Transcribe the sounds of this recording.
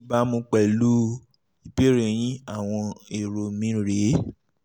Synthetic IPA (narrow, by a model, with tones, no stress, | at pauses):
ba˦mõ˧k͡pɛ˨lu˦ | i˨pe˦ɾe˨j̃ĩ˦a˦˨w̃ɔ̃˧e˨ɾo˨mĩ˨˦ɾe˨˦